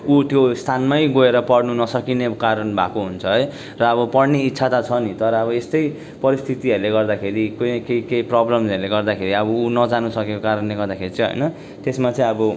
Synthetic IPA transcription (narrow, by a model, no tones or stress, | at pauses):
ut̪jost̪ʰanmajɡoeɾʌpʌɽnunʌsʌkinekaɾʌnbʱa̰koɦunt͡sʰʌɦʌj | rʌːbʌpʌɽneitːsʰat̪at͡sʰʌnit̪ʌɾʌːβʌest̪ʌj | pʌɾist̪ʰit̪iʌɾuleɡʌrd̪akʰeɾikokeikeprɔblʌmsʌrleɡʌrd̪akʰeɾiʌbʌunʌd͡zanusʌkekokaɾʌnleɡʌrd̪akʰeɾit͡sʌ̃ɦʌ̰jnʌ | t̪esmat͡sʌ̃ĩʌbʌ